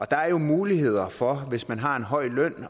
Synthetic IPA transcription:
ɒ̽d̥ɑ̈æɐjo̝muːliɦe̝ð̞̰ˠɐfɒ̽ʋe̝smænɦɑ̈e̝nɦɒ̽ɪ̰lœn̰

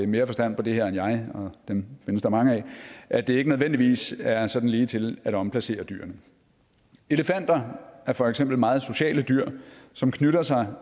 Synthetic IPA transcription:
eme̝ːɐfɒ̽sd̥æn̰pʰɒ̽d̥e̝heɐ̰enjɑ̈ɪɒ̽d̥emfe̝nəsd̥ɑ̈mɑ̈ŋəɛʔæd̥e̝e̝ɡ̥ənøðˠʋen̰d̥iʋḭːsæɐsɒ̽d̥n̩liːt͡sʰe̝læɾ̥ɒ̽mpʰlæse̝̰ːɐd̥yɐ̰nə | e̝ləfæn̰d̥ɐʔæɐfɒ̽eɡ̥sem̰b̥l̩mɑ̈ːð̩ˠso̝ɕɛ̰ːləd̥yɐ̰sɒ̽mkʰnyɾɐsɑ̈ɪ

